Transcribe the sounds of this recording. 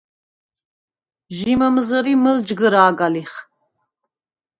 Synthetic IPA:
ʒimɐmɨzɐɾimɨld͡ʒɡɨɾaːɡaliχ

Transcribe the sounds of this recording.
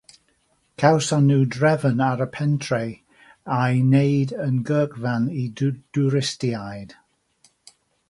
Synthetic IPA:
kʰawsanuːdɹɛvənaɾəpʰɛntʰɹe | ajnejdənɡəːkvanidd̥uɹɪstiajd̥

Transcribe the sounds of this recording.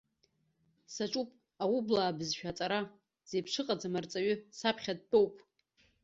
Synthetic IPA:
saʈ͡ʂʼupʼ | awʊblaːbɨzʃᶣat͡sʼaɾa | z̥ejpʰʂɨqʼad͡zamart͡sʼaɥʏsapʰχʲad̚tʼo̞wpʼ

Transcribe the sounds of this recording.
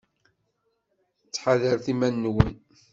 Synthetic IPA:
t͡sːħaðəɾθimænːwən

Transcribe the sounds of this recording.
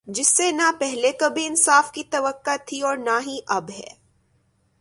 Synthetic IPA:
d͡ʒɪsːenapɛɦlekɐbʱiɪnsaːfkit̪ɐʋəkːat̪ʰiɔːɾnaɦiʔɐbɦɛ̰ː

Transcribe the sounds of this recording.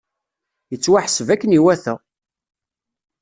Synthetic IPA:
jət͡sːwaħəsəvækːəniwæθæ

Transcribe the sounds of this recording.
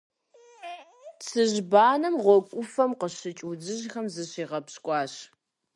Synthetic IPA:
t͡sʰɨʑbaːnɐmʁʷɔkʷʼʊfɐmqəɕɨt͡ʃʼwud͡zɨʑxɐmzɨɕiːʁɐpɕkʷʼɑːɕ

